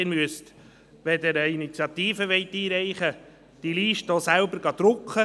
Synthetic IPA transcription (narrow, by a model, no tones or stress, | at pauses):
ɪɾmyəst | ʋɛdəɾəinit͡sjɑt̪iːfəʋɛɪtːiːɾɛɪχə | d̥iliːʃtoːsælbəɾɡ̥ɑd̪̥ɾʊkχə